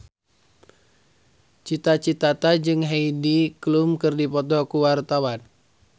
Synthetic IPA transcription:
t͡ʃit̪at͡ʃit̪at̪ad͡ʒɨŋɦeidiklumkɨrdipɔt̪ɔkuwart̪awan

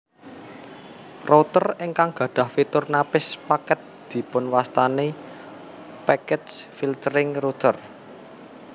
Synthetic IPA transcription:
rʔot̪ərɪŋkaŋɡ̥ä̤ɖ̥ä̤hfit̪ʊrnapɪspakɛt̪̚d̪̥i̤pʊnwast̪ane | pɛkɛd͡ʒfilt̪əɾɪŋrut̪ər

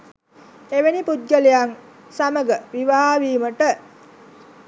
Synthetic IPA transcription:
eʋenipud̪̚ɡəlejaŋ | saməɡəʋiʋaɦaʋiːməʈə

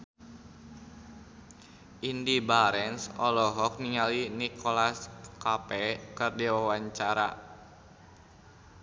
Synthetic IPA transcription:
ʔindibaɾɛnsɔlɔɦɔk̚niŋalinikʰɔlaskapɛkɨrdiwawaɲt͡ʃaɾa̰

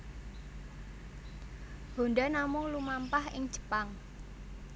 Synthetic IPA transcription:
ho̤ndanamʊŋlumampahɪŋ̥d͡ʒ̥ə̥̤paŋ

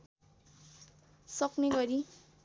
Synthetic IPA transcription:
sʌkneɡʌɾi

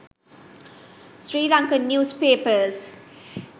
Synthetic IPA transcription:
sɾiːlãŋkə̃njuːzpeːpəz

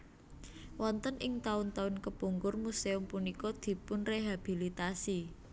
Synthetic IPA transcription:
wɔnt̪ənʔɪŋt̪aʊnt̪aʊnkəbuŋɡʊrmuseʊmpunikɔd̪̥i̤pʊnreɦab̥i̤lit̪asi

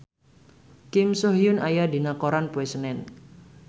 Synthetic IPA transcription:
kɪmsoɦijʊnajad̪i̤nakoɾanpuesənɛn

